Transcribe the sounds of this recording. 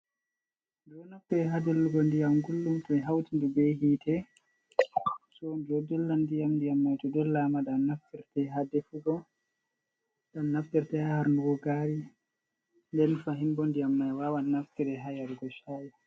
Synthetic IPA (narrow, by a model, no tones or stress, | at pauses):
dɔnaftɛɾɛɦadɛlːuɡɔndijamɡulːumtɔmɛɦawtindubɛhiːtʰɛ | sɔd͡ʒɔdɔlːandijamndijamːajtɔdɔlːamadanaftiɾtɛɦadɛfuɡɔ | danːaftɛɾtɛhahaɾnduɡɔɡaɾi | ndɛnfaɦimbɔndijamːajwawanaftɛɾɛɦajaɾuɡɔʃaji